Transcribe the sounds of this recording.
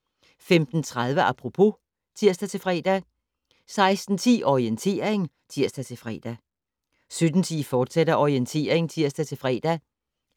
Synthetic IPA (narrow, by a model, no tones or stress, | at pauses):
femd̥n̩t͡sʰʁað̞ˠʋəʔɑpʰʁo̝pʰo̝ | t͡sʰiɐ̰sd̥æt͡sʰe̝lfʁɛːd̥æ | sɑ̈ɪsd̥n̩t͡sʰḭːʔɒʁient͡sʰe̝̰ːɐe̝ŋ | t͡sʰiɐ̰sd̥æt͡sʰe̝fʁɛ̰ːd̥æ | sød̥n̩t͡sʰḭːfɒːd̥seɾ̥ɐʔɒient͡sʰe̝̰ːɐeŋt͡sʰiɐ̰sd̥æt͡sʰe̝lfʁɛːd̥æ